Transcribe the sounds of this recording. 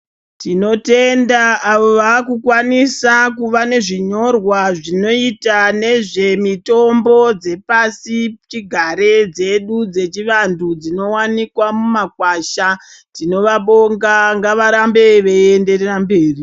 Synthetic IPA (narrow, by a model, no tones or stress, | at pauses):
tino̞te̞ndaːʋoʋakukwanisakuʋane̞ʐiɲo̞rwaʐino̞itane̞ʐe̞mito̞mbo̞d͡ze̞pasit͡ʃiɡʱaɾe̞d͡ze̞ɗud͡ze̞t͡ʃiʋandud͡zino̞wanikwamumakwaʃatino̞ʋaɓo̞ŋɡaŋɡaʋaɾambe̞ʋeende̞rerambe̞ːri